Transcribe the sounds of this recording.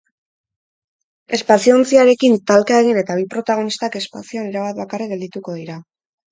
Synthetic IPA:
e̞spasiont͡siaɾe̞kint̪alkae̞ɣ̞ine̞t̪aβ̞ipɾo̞t̪aɣ̞o̞nist̪ake̞spasioaniɾaβat̪̚βakareɡe̞ld̪it̪uko̞ðiɾa

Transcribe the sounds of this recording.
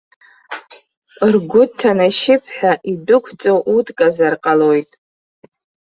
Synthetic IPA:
rɡʷʊtʰːanaʃɪpʰħʷᶣaʔidʊkʷʰt͡sʼoʔutʰʼkʼazarqʼalojtʼ

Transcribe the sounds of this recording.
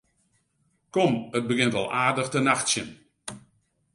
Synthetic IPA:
kɔmət̚bəɡɪntɔ̰lˠaːdəxtənaxtsjən

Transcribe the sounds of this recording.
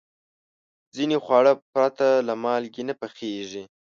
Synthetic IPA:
zinexwɑɽəpɾat̪alamɑlɡinapaxeʐi

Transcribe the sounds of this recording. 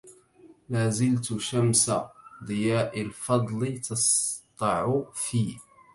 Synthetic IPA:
maːzɪlt̪ʃamsad̪ˤɨjaːʔalfɑd̪ˤlɨt̪ʰɑst̪ˤːɑʕʊfiː

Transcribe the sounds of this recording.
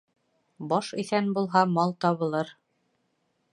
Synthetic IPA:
bɑʃiθænbulˠɦɑmɑlˠt̪ɑβɤ̆lˠɤɾ

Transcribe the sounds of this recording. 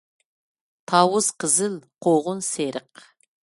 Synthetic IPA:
t̪ʰɑwəz̥qʰəzɪlqʰoʁʊnseɾɪq̚

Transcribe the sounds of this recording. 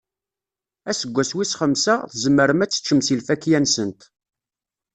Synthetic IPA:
æsəɡʷːæswisχəmsæ̰θəzəmːəɾəmæt͡sːə̥t͡ʃːəmsilfækːjænsənt̪

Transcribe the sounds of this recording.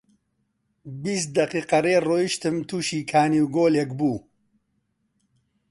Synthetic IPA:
bist̪̚d̪ɐqiːqɐreːroːjiʃt̪ɨmt̪ʰuːʃiːkʰaːniwɡoːlekbuː

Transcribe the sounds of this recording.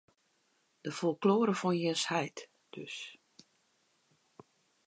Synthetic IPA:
d̥əfɔlˠkloːɾəfɔnjɛshɛjt | d̥øs

